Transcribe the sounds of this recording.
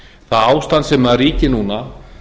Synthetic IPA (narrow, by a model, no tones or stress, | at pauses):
θaðaːwst̪ant̪sɛmaðriːcɪnuːna